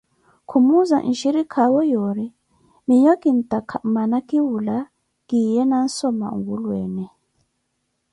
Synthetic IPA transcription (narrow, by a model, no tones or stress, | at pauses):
kʰumuzaʔḭʃiɾikʰawɔjɔɾi | miɲɔkin̩tʼakʰamanakiwula | ɡijɛnan̩sɔma̰ŋɡulwɛ̰ːnɛ